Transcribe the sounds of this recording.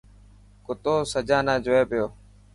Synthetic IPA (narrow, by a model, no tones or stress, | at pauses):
kʊt̪oːsəd͡ʒãːnãːd͡ʒoːeːpɪjoː